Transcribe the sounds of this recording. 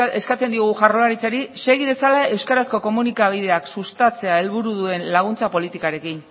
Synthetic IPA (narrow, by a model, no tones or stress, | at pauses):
eskat͡send̪ioɣuʝarolaɾit͡saɾise̞ɣið̞e̞salae̞wskaɾasko̞ko̞munikaβ̞ið̞e̞aksust̪at͡se̞ae̞lβuɾuðue̞nlaɣ̞unt͡sapo̞lit̪ikaɾe̞kin